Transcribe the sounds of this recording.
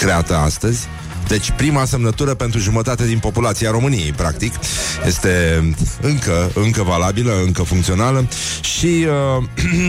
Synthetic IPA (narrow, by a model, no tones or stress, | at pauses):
kɾe̞at̪əa̰st̪əzʲ | d̪e̞t͡ʃʲpɾimase̞mnət̪uɾəpe̞nt̪ɾuʒumət̪at̪e̞d̪inpo̞pulat̪siaɾo̞mɨniejpɾa̰k̚t̪ikje̞st̪e̞ɨŋkəɨŋkəvalabiləɨŋkəfuŋkt̪sio̞naləʃiə